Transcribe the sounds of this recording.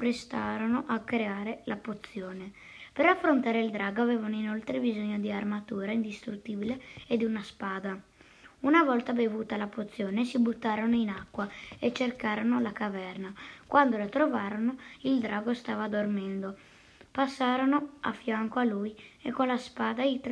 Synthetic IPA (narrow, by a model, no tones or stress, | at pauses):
pɾest̪aːɾonoʔakːɾeaːɾelapot̪sːjoːne | peɾafːɾont̪aːɾeild̪ɾaːɡoaveːvanoinolt̪ɾebizoɲːod̪iarmat̪uːɾaind̪ist̪ɾut̪ːiːbileed̪iunaspaːd̪a | unavɔlt̪abevuːt̪alapot̪sːjoːnesibut̪ːaːɾonoinakːwaet͡ʃːerkaːɾonolakavɛrnakwʔand̪olat̪ɾovaːɾonoild̪ɾaːɡost̪aːvad̪ormɛnd̪o | pasːaːɾonoa̰fːjaŋkoalujekːonlaspaːd̪ait̪